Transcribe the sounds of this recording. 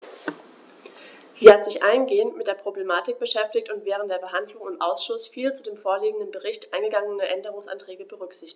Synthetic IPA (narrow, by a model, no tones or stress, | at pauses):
z̥iːhatz̥ɪçʔaɪnɡeːəntmɪtd̥eːɐpʁ̥oblemaːtɪk̚b̥əʃɛftɪktʊntv̥ɛːʁ̞əntd̥eːɐbəɦandlʊŋɪmʔaʊsʃʊsfiːlt͡sudeːmfoːɐliːɡŋ̩dənbəʁɪçtʔaɪnɡəɡaŋənəʔɛndəʁʊŋsa̰ntʁ̥ɛːɡəbəʁʏkz̥ɪçtɪç